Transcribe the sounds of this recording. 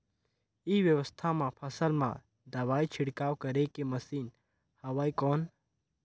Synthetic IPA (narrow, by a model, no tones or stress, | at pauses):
iʋjəʋəst̪ʰamãpʰɐsəlmã̰ | d̪ɐʋaːit͡ʃʰɪɽkaːwkəɾekeməsiːn | hɐʋaːikɔːn